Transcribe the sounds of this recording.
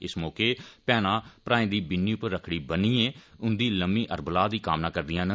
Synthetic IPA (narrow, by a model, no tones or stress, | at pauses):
ɪsmɔːkeːpɛːnãːpɾãːẽːd̪iːbɪnːiːʊpəɾːəkʰɽiːbəniːɛːʊnd̪iːləmiːʔəɾbəlaːd̪iːkaːmnaːkəɾd̪ɪjãːnə